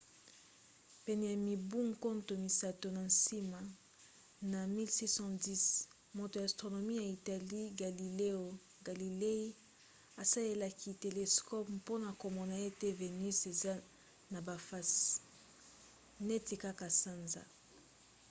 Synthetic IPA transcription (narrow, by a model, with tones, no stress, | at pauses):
pɛ˨nɛ˨ja˨mi˨bu˦ŋko˦nto˨mi˨sa˨to˨na˨nsi˦ma˨ | na˨mi˦lsi˦sɔ̃˦di˦s | mo˨to˨jstʁo˨no˨mi˦ja˨i˨ta˨li˦ɡa˨li˨le˦o˨ | ɡa˨li˨le˦i˦ | a˨sa˦le˦la˨ki˨te˨le˨skɔ˦ppo˦na˨ko˨mɔ˨na˨e˦te˦ve˨ny˦se˨za˦ | na˨ba˨fa˦s | nɛ˦ti˨ka˦ka˨sa˦nza̰˨